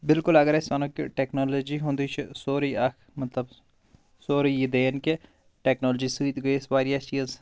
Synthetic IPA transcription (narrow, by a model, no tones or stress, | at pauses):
bɪlkʊlɐɡəɾɪsʋanõkḛʈeːknoːloːd͡ʒiɦũnd̪iːt͡ʃʰsoːɾiɐk | mɐt̪lɐb | soːɾijid̪eːnke | ʈeːknoːld͡ʒisud̪ɡɐesbaːɾjat͡ʃiːz